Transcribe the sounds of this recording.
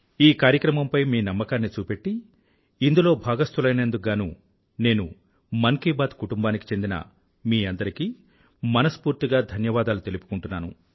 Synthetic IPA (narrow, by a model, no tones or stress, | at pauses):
iːkaːɾjɐkɾɐmɐmpɐjmiːnɐmːɐkaːnːit͡ʃuːpe̞ʈːiː | nd̪ulo̞ːbʱaːɡɐst̪ulɐjnend̪uɡaːnuː | ne̞ːnu | mɐŋkiːbaːd̪kuʈumbaːniki̥t͡ʃe̞nd̪inɐ̰ | miːɐnd̪ɐɾikiː | mɐnɐspuːɾt̪iɡaːd̪ʱɐnjɐʋaːd̪aːlut̪e̞lupu̥kuɳʈunːaːnṵ